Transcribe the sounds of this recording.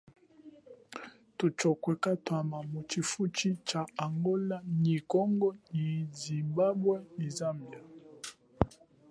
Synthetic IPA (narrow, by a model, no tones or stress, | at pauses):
tut͡ʃɔkwɛkatwamamut͡ʃifut͡ʃit͡ʃaaŋɡɔlaɲikɔŋɡɔɲizimbabwɛnizambja